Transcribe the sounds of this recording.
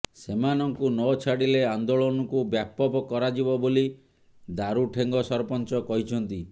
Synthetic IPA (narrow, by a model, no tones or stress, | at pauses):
semanɔŋkunɔt͡ʃʰaɽileand̪oɭɔnɔkubjapɔbɔkɔɾad͡ʒibɔboli | d̪aɾuʈʰeŋɡɔsɔɾɔpɔnt͡ʃɔkɔɦit͡ʃʰɔnt̪i